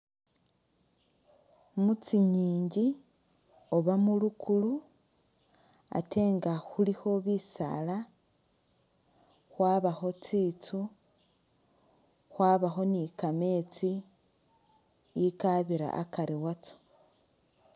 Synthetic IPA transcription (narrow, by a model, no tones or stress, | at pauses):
mut͡siɲiːɲɟi | o̞βamulukʰulu | a̰tʰe̞ːŋɡaxulixo̞βisa̰la | xwaːβaxo̞t͡siːt͡su | xwaːβaxo̞nikame̞t͡si | jikaβiɾa̰ʔa̰kaɾiwat͡so̥